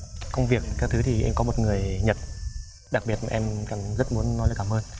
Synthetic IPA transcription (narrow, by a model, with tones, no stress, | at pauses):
kə˧wŋ͡mvi˨˩ək̚kaː˦˥k̚t̪ʰɨ˨˦t̪ʰi˨˩ʔɛ̰˧mkɔ˨˦mo˨˩t̚ŋɨ˨˩əjɲə˨˩t̚ | ɗa˨˩k̚ɓi˨˩ət̚maː˨ʔɛ˧mkaː˧˩ŋzə˦˥t̚mu˨˦ənːɔ˨˦jaː˨˩kaː˧˩mʔəː˧n